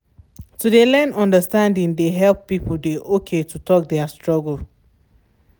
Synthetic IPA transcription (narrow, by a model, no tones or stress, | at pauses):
tudelɛnɔ̃ndəstãndĩŋdeɦɛlˠpːipl̩deʔokʰetutɔk̚dɛastɹɔɡl̩